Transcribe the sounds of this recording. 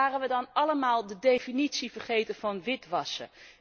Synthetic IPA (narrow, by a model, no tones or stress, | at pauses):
aːrənʋədɑnɑləmaːlˠdədejfinitsivərχejtəvɑnʋɪtʋɑsə̰